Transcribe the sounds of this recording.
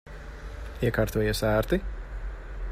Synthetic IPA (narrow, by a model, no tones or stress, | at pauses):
iɛkaːɾt̪uɔjɛːsæːɾt̪i